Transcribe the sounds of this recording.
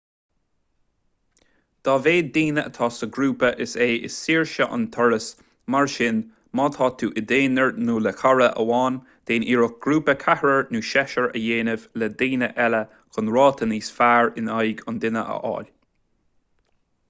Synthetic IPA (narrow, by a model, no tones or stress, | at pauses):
d̪̥ɑːveːd̪iːnəə̰t̪ʰɑːsəɡɾuːpəʔɪseːʔɪ̰sːiːɹʃəʔʊ̰nt̪ʰɔɹəs | maɹʃɪn | mɑːt̪ʰɑːt̪ʰuːʔɪd̪eːnəɹnuːləkʰaɹəʔə̰wɑːn | d̪̥eːnʔiːɹʊk̚ɡ̥ɾuːpəkʰahɹəɹnuːʃɛʃəɹə̰jeːnɪvləd̪iːnəʔɛlə | kʰʊnɹɑːt̪ʰəniːsfaːɹɪnajɡʊnd̪ɪnə̰ʔə̰ʔɑ̰ːlʲ